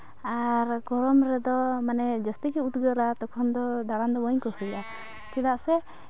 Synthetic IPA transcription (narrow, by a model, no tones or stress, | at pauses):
aɾɡɔɾɔmɾɛd̪ɔmanɛd͡ʒəst̪ikɛut̪ɡəɾat̪ɔkʰɔnd̪ɔd̪aɾand̪ɔbɔɲkɔsəɾɛʔa | t͡ʃɛd̪aʔsɛ